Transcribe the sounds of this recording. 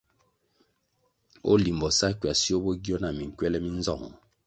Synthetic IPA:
o̰˦li˨mbɔ˨sa˦kɥa˨si˦o˦bo˦ɡi˦ɔ˦na˨mi˨ŋ˨kwɛ˦lɛ˦mi˦n˦zɔ˦˨ŋ˨

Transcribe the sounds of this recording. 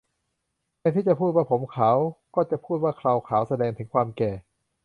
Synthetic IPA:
maː˧t̪ʰiː˥˩t͡ɕa˨˩pʰuː˥˩t̪̚waː˥˩pʰo˩˦mkʰaː˩˦wkɔː˥˩t͡ɕa˨˩pʰuː˥˩t̪̚waː˥˩kʰɾa˧wkʰaː˩˦wsa˧dɛː˧ŋt̪ʰɯ˩˦ŋkʰwaː˧mkɛː˨˩

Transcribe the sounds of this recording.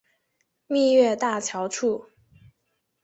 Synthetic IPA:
mi˥˧ɥɛ˥˧t̪a˥˩t͡ɕʰjɑ˧˥ʊʈ͡ʂʰu˥˩

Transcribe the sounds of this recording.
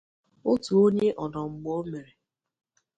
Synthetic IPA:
o˦tu˨o˦ɲe˦ʔɔ˨nɔ˨ŋ͡m̩˨ɡ͡bo˦me˨ɾe˨

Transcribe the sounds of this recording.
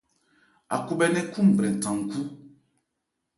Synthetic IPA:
a̰˨ku˨bɛ˦˨nɛ̃˦kũ˦m̩˨bɾɛ̃˨tã˨ŋ̩˨ku˦

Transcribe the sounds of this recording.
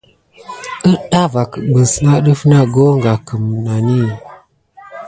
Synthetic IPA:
ə˦ɗa˦va˨kə˨ɓə˨sna˦ɗə˦fna˦˨ɡo˦ŋɡa˨kə˨m˨na˨ni˦˨

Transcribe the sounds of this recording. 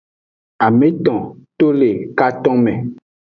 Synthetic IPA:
a˨mẽ˦t̪ɔ̃˨t̪o˦le˨ka˦t̪ɔ̃˦mẽ˨

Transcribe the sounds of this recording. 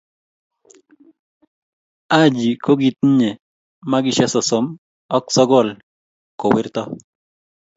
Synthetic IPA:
a˦d͡ʒi˨ko˦ɡi˦t̪̚ɲe˨ | ma˦ɡɪ˦ʃɛ˦sɔ˨sɔ˨m | ɔ˦ksɔ˦ɡɔ˦˨l | kɔ˨wɪ˦ɾt̪ɔ˦

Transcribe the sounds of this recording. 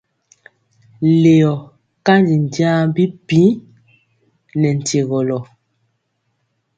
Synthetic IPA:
le˨jɔ˨ | ka˦ndi˨n˨dja˦m˦bi˦pĩ˨˦ | nɛ˨n̩˨te˨ɣɔ˨lɔ˨

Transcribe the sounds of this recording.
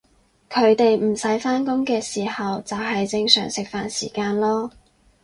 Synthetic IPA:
kʰɵ˨˧˥ɥt̪e˨jm̩˨˩sɐ˨˥jfaː˥nkʊ˥ŋkɛː˧siː˨˩hɐ˨wt͡sɐ˨whɐ˨jt͡sɪ˧ŋsœ̰ː˨˩ŋsɪ˨k̚faː˨nsḭː˨˩kaː˧nlɔː˥

